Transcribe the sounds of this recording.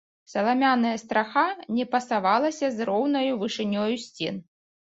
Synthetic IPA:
sɐlˠamʲanɐjɐst̪ɾaxanʲɛpɐsavalˠɐsʲɐzrɔwnɐjuvɨʂɨnʲɔjusʲt͡sʲḛn

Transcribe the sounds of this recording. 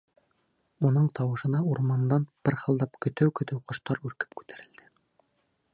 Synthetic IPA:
unɤɴt̪ʰɑwɤ̆ʃɤ̆nɑuɾmɑnd̪ɑnb̥ɘɾhɤ̆lˠd̪ɑpkɵ̆t̪æwkɵ̆t̪ɘwqŏʃt̪ɑɾʉɾkɘ̥pkʉ̥t̪æɾɘ̆ld̪̥ɘ

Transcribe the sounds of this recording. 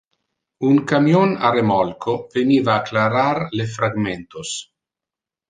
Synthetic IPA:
uŋkamjona̰ɾemɔlkʰoveniːvaːklaɾaɾlefɾaɡment̪os

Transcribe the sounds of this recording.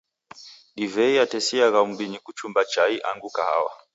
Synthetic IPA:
ɗivɛiatɛsiaɣaumbinikut͡ʃumbat͡ʃaiʔa̰ŋɡukaha̰wa̰

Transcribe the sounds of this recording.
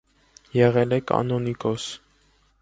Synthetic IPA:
jɛʁɛlɛkʰɑ̰nɔnikɔs

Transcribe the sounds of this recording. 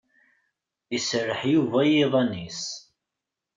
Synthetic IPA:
isərːəħjuvæjeðˤɑnis

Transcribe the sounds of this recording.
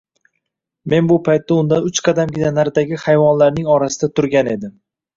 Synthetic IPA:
me̞nbʊpʰajt̪ːaʊnd̪anʊt͡ʃqʰɑd̪amɡʲɪnanaɾd̪aɡʲɪhajvɒnlaɾnɪŋɒɾasɪd̪at̪ʰʊɾɡʲane̞d̪ɪm

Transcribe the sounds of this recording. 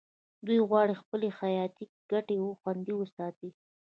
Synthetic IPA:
d̪ujɣwɑɽixpəlexajɑt̪i | ɡ̥aʈewoxwand̪iwəsɑt̪i

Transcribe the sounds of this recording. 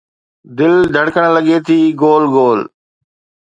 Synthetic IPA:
d̪ɪld̪ʱɐɽkəɽ̃ləɠet̪ʰiːɡoːlɡoːl

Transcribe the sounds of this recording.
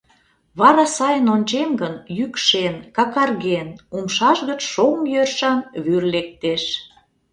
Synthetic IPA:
βɑɾɑsɑjənonʲt͡ɕemɡənjykʃenkɑkɑrɣenumʃɑʃɣət͡ɕʃomjørʃɑnβyrlek̚t̪eʃ

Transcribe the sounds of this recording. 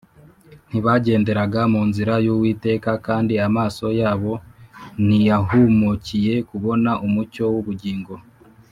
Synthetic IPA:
n̥iβaɟe̞ːnde̞ɾaɡamuːnziɾajuwiːte̞ːkakaːndiamaːso̞jaːβo̞n̥ijaɦumucije̞kuβo̞naʔumuco̞wuβuɟiːŋɡo̞

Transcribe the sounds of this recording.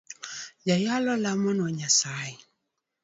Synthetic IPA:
jajalɔlamɔnɔɲasai

